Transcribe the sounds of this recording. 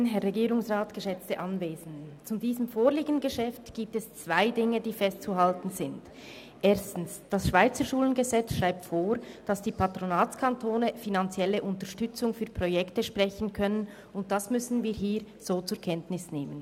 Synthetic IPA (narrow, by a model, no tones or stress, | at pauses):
nɦɛʁːɛɡiːɾʊŋsʁaːtɡ̥əʃɛt͡stəʔɑnveːzn̩dət͡sudiːzəmfoːliːɡnn̩ɡəʃɛftɡ̥iːp̚tɛst͡sv̥aɪdɪŋədiːfɛstt͡suɦɑltn̩zɪnd | ʔeːɐstn̩sd̥asʃv̥aɪt͡səʃuːlənɡəzɛt͡sʃʁaɪp̚tfoːɾd̥ɑsd̥iːpʰatʁonaːt͡skʰantʰoːnəfinant͡sjɛləʔʊntəʃtʏt͡sʊŋfyːɐpʁojɛktəʃpʁɛçən̩kʰœnən | ʊnt̚d̥asmʏsn̩viːɦiːɾ | z̥oːt͡sʊːɐkʰɛntnɪsneːmən